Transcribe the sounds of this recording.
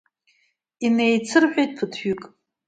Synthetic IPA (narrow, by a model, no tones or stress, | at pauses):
inejt͡sʰɨrħʷᶣejt̚ʼpʰɨtʰᶣykʼ